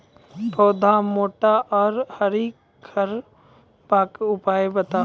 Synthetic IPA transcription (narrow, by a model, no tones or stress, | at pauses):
bʰɔːd̪ʱamoːʈaʔɔːɾhɐɾik | ɡʰʱəɾ | baːkʊpaːjebɐt̪aː